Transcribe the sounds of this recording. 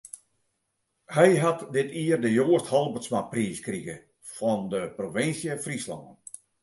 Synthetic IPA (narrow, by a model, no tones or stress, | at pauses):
hɛjɦatdɪtiərdəjoːəsthɔlˠbərsmapriːskriɣə | fɔndəproʋɪnsjəfrislɔ̰ŋən